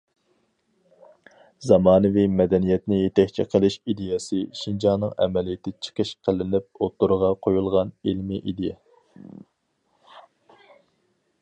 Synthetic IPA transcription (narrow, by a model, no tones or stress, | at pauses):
zɑmɑːnɨvimɛd̪ɛnijɛt̪nɪjet̪ʰɛkʲt͡ʃʰḭqʰəlˠɪʃid̪ejɛsɪʃind͡ʒɑnɨŋɛ̰mɛlijɪt̪ʰɪt͡ʃʰə̥qʰəʃqʰəlɪnɪp̚ot̪ːuɾʁɑqʰojulˠʁɑnilmiʔid̪ɪ